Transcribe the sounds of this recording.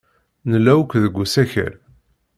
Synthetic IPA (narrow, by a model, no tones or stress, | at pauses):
nəlːæwkʷðəɡʷːusæçə̰ɾ